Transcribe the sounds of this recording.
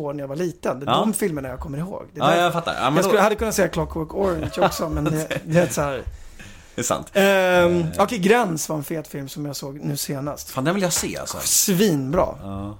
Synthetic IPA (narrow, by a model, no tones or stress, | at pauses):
oːɳæjavaɭiːt̪ənd̪ɛd̪ɔmfɪlməɳajakʰɔmːəɾɪho̰ːɡd̪ɛafat̪ːa̰ɾa̰mɛasɵlhad̪ːəkʰɵnːt̪sɛːakʰlɔkʰːwœkːɔɾɛnʃɔksɔmɛnd̪ɛd̪ɛet̪sɔhæːɾ | ɛsa̰nt̪ | ɔkʰɛjɡɾɛnsvaɾɛnfeːt̪fɪlmsɔmjaːsoːɡnʉ̟ːseːnast̪fand̪ɛnvɪljasḛːa̰ssɔ̰sviːnbɾɑ̰ː